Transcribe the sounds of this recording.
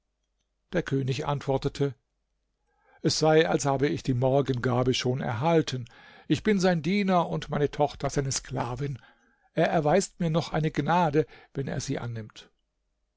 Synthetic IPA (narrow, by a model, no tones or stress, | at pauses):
d̥eːɐkʰøːnɪçʔa̰ntv̥ɔɐtətʰə | ʔɛsz̥aɪalshaːbəɪçd̥iːmɔɐɡənɡaːbəʃoːnɛ̰ɐɦaltʰən | ʔɪçb̥ɪnzaɪndiːnɐʊntmaɪnətʰɔχtɐzaɪnəskl̥aːvɪn | ʔeːɐʔɛɐvaɪstmiːɐnɔχʔaɪnəɡnaːdəvɛnḛːɐziːʔa̰nːɪmt